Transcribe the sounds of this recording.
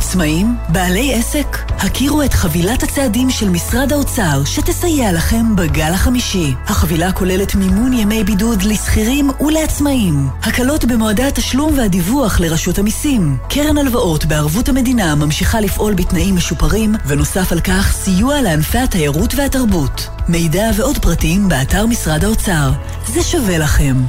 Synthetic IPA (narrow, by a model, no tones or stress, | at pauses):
at͡smaimbaːle̞je̞se̞k | hakʰiʁue̞tχavilathat͡seadimʃe̞lmisʁadao̞t͡saʁʃete̞sajealaχe̞mbaɡalhaχamiʃihaχavilako̞le̞le̞tmimunjeme̞jbidudlisχiʁimuleat͡smaimhakalo̞tbe̞moadaataʃlumvehadivuaχle̞ʁaʃuthamisimkʰeʁemalvaʔo̞tbeaʁvuthame̞dinamamʃiχalifʔo̞lbitnaʔimːe̞ʃupaʁimveno̞safalkaχsijualeanfeatajaʁutve̞hataʁbut | me̞jdave̞o̞dpʁatiimbeataʁmisʁadhao̞t͡saʁ | zeʃave̞laχe̞m